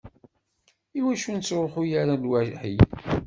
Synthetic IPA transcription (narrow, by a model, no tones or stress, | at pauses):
iwæʃunt͡sːɾoχujaɾalwæħḭ